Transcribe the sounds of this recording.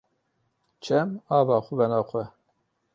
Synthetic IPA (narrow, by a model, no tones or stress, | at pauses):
t͡ʃʰɛmɑːvɑːxʷʊvɛnɑːxʷɛ